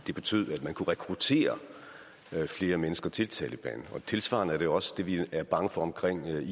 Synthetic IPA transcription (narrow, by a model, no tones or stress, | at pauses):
d̥e̝b̥e̝t͡sʰy̰ð̞̰ˠæd̥mænkʰuʁɛkʰʁut͡sʰe̝̰ːɐ | fle̝ːɐmenəsɡ̥ɐt͡sʰe̝lt͡sʰɛ̰ːləb̥ɛ̰ːnn̩ɒ̽t͡sʰe̝lsʋɑ̰̈n̩əæɐde̝oɒ̽səd̥e̝ʋiæɐb̥ɑ̈ŋəfɒ̽ɒ̽mkʰʁeŋ̰i